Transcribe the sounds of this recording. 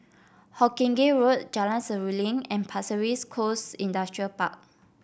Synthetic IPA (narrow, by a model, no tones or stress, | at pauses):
hɔkĩŋɡeɹot̚d͡ʒalãnsəɹilĩŋɛ̃npʰasəɹiskʰosĩndastɹiəlpa̰k̚